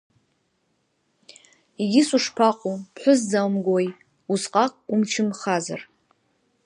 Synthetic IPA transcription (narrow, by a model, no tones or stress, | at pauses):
iɡʲɪsuʂpʰaqʷʼupʰħʷʊzzawmɡʷoj | usqʼakʷʼumt͡ʃʰɪmχaza̰r